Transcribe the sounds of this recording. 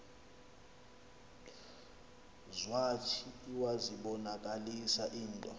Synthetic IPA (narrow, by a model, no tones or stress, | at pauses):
zwatʰiuwaziɓɔnakʼalisaʔiːntʼɔ